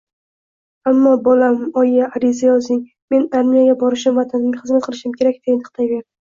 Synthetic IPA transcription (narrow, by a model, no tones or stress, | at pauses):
amːɒbɒlamɒjjaʔaɾɪzajɒzɪŋ | me̞naɾmijaɡʲabɒɾɪʃɪmvat̪ʰanɪmɡʲaχɨzmat̪̚qʰɨlˠɪʃɪmkʲʰe̞ɾak̚ʲd̪enʰɨχt̪ʰajve̞ɾɪ